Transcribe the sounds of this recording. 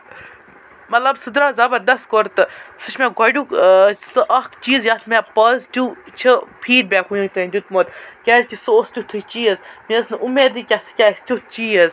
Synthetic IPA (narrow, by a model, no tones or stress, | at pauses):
mɐt̪lɐbsɨd̪ɾaːzɐbɐɾd̪ɐskoɾt̪ɨsɨt͡ʃʰmeɡɐɖʲuːksɨʔɐkt͡ʃiːzjɐt̪ʰmepɐztʲut͡ʃʰɨpʰiːɖ̚bʲaːkɦujũŋt̪ɨnd̪ʲut̪̚moːt̪kʲaːsʲkʲisɨost̪ʲut̪ʰɨt͡ʃiːəzmiɐsnɨʔumeːd̪ikʲasɨ̥kʲaːsʲt̪ʲutt͡ʃiːəz